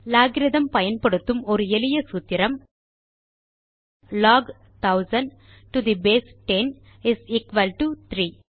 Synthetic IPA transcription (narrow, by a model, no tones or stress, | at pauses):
laːɡɪɾɪðɐmpɐjɐnpɐɽɯt̪ːɯmɔɾɯɛlɪjɐsut̪ːɪɾɐm | lɔːɡ | t̪ɐʊzɐn | ʈud̪ibeːsʈɛn | ɪsiːkʋɐlʈut̪ɾiː